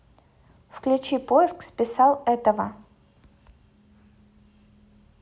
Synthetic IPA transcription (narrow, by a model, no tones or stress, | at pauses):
fklʲʊt͡ɕipojɪskspʲɪsalˠɛt̪əvə